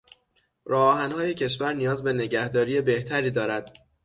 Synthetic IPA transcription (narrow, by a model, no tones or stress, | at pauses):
ɾɒːɦænhɒːje̞cʰe̞ʃvæɾnijɒːzbe̞ne̞ɟæhd̪ɒːɾiːe̞be̞ht̪ʰæɾiːd̪ɒːɾæd̪̥